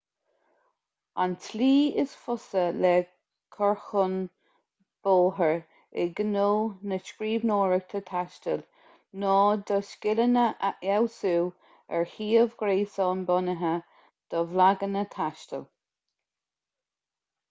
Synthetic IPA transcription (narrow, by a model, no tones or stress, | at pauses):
a̰ntʰliːɪsfʊsəlɛ | kʰɔɹxʊn | b̥oːɦəɹ | ɪ̰ɡənoːnəʃkɾiːvnoːɹəɡ̥̚t̪ʰət̪ʰaʃtəl | nɔːd̪əskɪlənəʔʔɛwsuː | ɛɹhiːəvɡɾeːsɔːnbɔnəɦə | d̪̥ɔvlaɡənət̪ʰaʃtə̰l